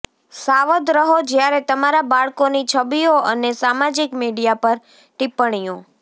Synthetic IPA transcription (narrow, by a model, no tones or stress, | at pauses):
saʋəd̪ɾəɦod͡ʒjaɾet̪əmaɾabaɭkonit͡ʃʰəbijoʔənesamad͡ʒikmiɽijapəɾ | ʈipəɳ̃ijõ